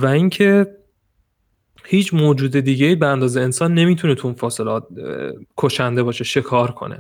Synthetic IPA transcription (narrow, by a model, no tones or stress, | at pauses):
væiŋcʰe̞ | hiːt͡ʃʰmoːd͡ʒuːd̪e̞d̪iːɟeiːbeænd̪ɒːze̞ːnsɒːnːe̞miːt̪ʰunet̪ʰuunfɒːse̞lɒːt̪̚kʰoʃænd̪e̞bɒːʃe̞ʃe̞kʰɒːɾkʰo̞̰nḛ